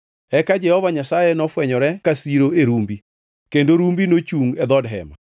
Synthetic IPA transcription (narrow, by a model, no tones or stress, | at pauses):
ɛkad͡ʒɛhɔvaɲasajenɔfwɛɲɔɾɛkasiɾoeɾumbi | kendoɾumbinot͡ʃuŋɛd̪ɔdɦɛ̰ma̰